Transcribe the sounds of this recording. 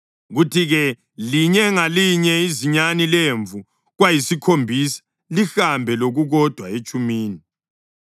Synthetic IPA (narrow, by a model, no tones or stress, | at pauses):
ɣutʰiɣɛ | liɲɛŋaliɲɛiziɲanileɱvu | ɣwajisikʰombʱisḁ | lixambʱɛloɣuɣɔd̥ʱwaet͡ʃʼumiːni